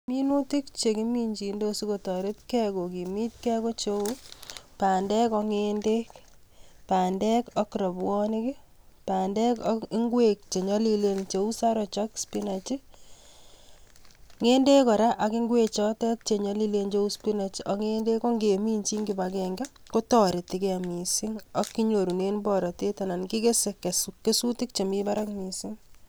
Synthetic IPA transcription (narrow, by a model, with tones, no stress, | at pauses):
mi˦nu˦ti˦kt͡ʃe˨ki˦mi˦ɲt͡ʃi˨ndo˦su˦ko˨tɔ˨ɾe˦tkɛ˦ko˨ki˨mi˦t̚kɛ˦ko˦t͡ʃo˦u˦pa˨ndɛ˦kɔ˧ŋe˦nde˦k | paː˨ndɛ˦kɔ˦kɾɔ˨bwɔ˦nɪ˦kɪ˦ | paː˨ndɛ˦kɪ˦ŋɡwe˦k̚t͡ʃe˨ɲɔ˦li˦le˨nt͡ʃe˨u˦sa˦ɾɔ˨t͡ʃɔ˦kspi˦na˨t͡ʃi˦ | ŋe˦nde˦kɔ˨ɾa˦ʔa˨kɪ˦ŋɡwe˦t͡ʃɔ˦tɛ˦k̚t͡ʃe˨ɲɔ˦li˦le˦nt͡ʃe˦u˦spi˦na˨t͡ʃi˦ʔɔ˦ŋe˦nde˦kɔ˦ŋɡe˨mi˦nt͡ʃi˦ŋɡi˨ba˨kɛ˨ŋɡɛ˦ | ko˦tɔ˨ɾɪ˨tɪ˨kɛ˨mi˨sɪ˦ŋɔ˦kːi˦ɲo˨ɾu˨ne˦nbɔ˨ɾɔ˨te˦ta˨na˨nki˦ke˦se˨kːe˨sukːe˦su˦tɪ˦k̚t͡ʃe˨mi˦ba˦ɾa˦kmi˨sɪ˦ŋ